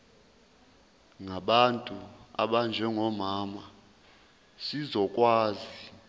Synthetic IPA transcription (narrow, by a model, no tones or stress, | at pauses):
ŋaɓantʼua̰ɓand͡ʒʱɛŋɔmaːma | sizɔkʼwaːzi